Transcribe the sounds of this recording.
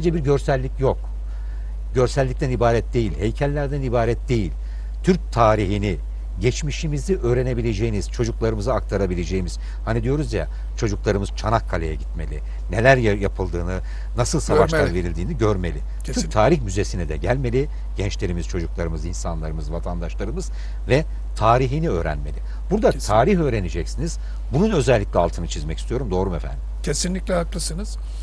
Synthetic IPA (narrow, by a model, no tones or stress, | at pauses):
ed͡ʒɛbiɾɟø̞ɾsælʲːicjo̞k | ɟø̞ɾsælʲːic̚t̪ʰænibaːɾɛt̪̚d̪e̞jilʲhe̞jcʰælʲːæɾd̪ænibaːɾɛt̪̚d̪e̞jilʲ | t̪ʰyɾc̚t̪ʰaːɾiɦini | ɟɛt͡ʃmiʃimiziʔøːɾe̞ne̞bilʲe̞d͡ʒejiniz̥t͡ʃʰo̞d͡ʒuklˠaɾɯmɯzɯak̚t̪ʰaɾabilʲe̞d͡ʒejimiz̥ | hanid̪ijo̞ɾuzja̰ | t͡ʃʰo̞d͡ʒuklˠaɾɯmɯz̥t͡ʃʰanakʰːalʲejɛɟit̪me̞lʲḭ | ne̞lʲæɾjjapʰɯlˠd̪ɯːnɯ | nasɯlˠsavaʃlˠanve̞ɾilʲd̪iːniɟøɾme̞̰lʲɪ | tʰt̪ʰaːɾiçmyze̞sinɛd̪ɛɟælʲme̞lʲi | ɟ̥ɛnt͡ʃlʲe̞ɾimiz̥t͡ʃʰo̞d͡ʒuklˠaɾɯmɯzinsanlˠaɾɯmɯzvat̪ʰand̪aʃlˠaɾɯmɯz | vɛ | t̪ʰaːɾiɦiniø̞ːɾæ̰nme̞̰lʲɪ | b̥uɾd̪at̪ʰaːɾiçø̞ːɾe̞ned͡ʒɛcsiniz̥ | bununø̞zɛlʲːiclʲɛalˠt̪ʰɯnɯt͡ʃʰizmɛcist̪ʰijo̞ɾumd̪o̞ːɾumefæ̰nd̪imcʰesinlʲicʲlʲɛaklˠɯsɯnɯz̥